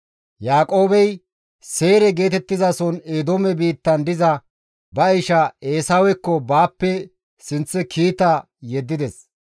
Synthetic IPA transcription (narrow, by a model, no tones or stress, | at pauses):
jaːkʼo̞ːbɛj | se̞ːɾɛɡe̞ːt̪ɛt̪ːɪzɐsɔneːd̪oːmɛbiːt̪ːɐnd̪ɪzɐ | bɐjʃɐeːsaːwɛkːɔbaːpːɛ | sɪnt͡sːɛkʰiːt̪ɐ | jɛd̪ːɪd̪ɛs